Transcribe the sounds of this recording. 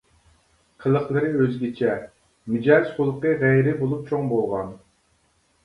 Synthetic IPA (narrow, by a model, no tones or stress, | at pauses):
qʰəlˠəχlˠɨɾɨøzɡʲit͡ʃʰɛ | mɪd͡ʒɑsχolˠəqəʁɛjɾɪbolˠup̚t͡ʃʰoŋbolˠʁɑn